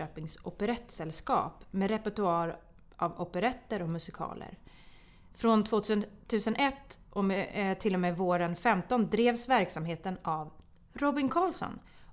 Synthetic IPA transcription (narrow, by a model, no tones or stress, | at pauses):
øːpɪŋsɔpɛɾɛt̪ːsɛlskɑ̰ːpmɛɾɛpɛʈɵɑːɾ | ʔavɔpɛɾɛt̪ːəɾɔkmɵsɪkʰɑ̰ːlə̰ɾ | fɾɔnt̪ʰvoːt̪ːt̪ʰʉ̟ːsənʔɛt̪ːʔɔmt̪ʰɪlːɔmeːvoːɾənfɛmt̪ɔnd̪ɾeːvsvæɾksamɦeːt̪ənav | ɾɔbɪŋkʰɑːlsɔ̰n